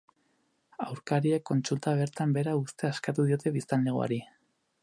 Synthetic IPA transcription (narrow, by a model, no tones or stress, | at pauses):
awɾkaɾiekːo̞nsult̪aβ̞e̞ɾt̪ambe̞ɾaust̪e̞askat̪uð̞io̞t̪e̞βist̪alneɣ̞o̰a̰ɾi